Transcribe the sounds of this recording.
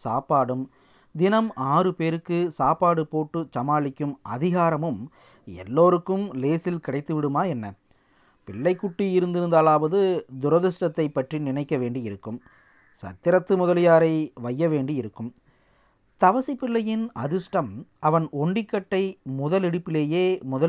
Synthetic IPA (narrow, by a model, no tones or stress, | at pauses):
saːpaːɽɯm | d̪ɪnɐmʔaːrɯpeːɾɯkːɯsaːpaːɽɯpoːʈːɯt͡ʃɐmaːɭɪkʲːɯmɐ̰ðɪɣaːɾɐmɯm | ɛ̰lːoːɾɯkːɯmleːsɪlkɪɽɐɪt̪ːɯʋɪɽɯmaːɛnːɐ | pɪɭːɐɪkːʊʈːiɪɾɯnd̪ɪɾɯnd̪aːlaːʋɐðɯd̪ʊɾɐðɪʂʈɐt̪ːɐɪpːɐʈrinɪnɐɪkːɐʋeːɳɖiɪɾɯkːɯm | sɐ̰t̪ːɪɾɐt̪ːɯmʊðɐlɪjaːɾɐɪʋɐjːɐʋeːɳɖiɪɾɯkːɯm | t̪ɐʋɐsipːɪɭːɐjɪnɐðɯsʈɐmɐʋɐnɔɳɖɪkːɐʈːɐɪmʊðɐlɪɽɯpːɪleːjeːmʊðɐ